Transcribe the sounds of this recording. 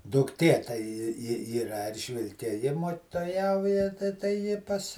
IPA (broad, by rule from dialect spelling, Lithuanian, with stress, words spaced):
dʊkˈtʲeː tɐɪ ˈjɪ ˈjɪ ɪ ˈiːrɐ ˈɛrʲʒʲʋʲɪlʲkʲɛ ˈjɪ moːkʲtoːˈjɛʊjɛ tɐɪ tɐɪ ˈjɪ ˈpɐs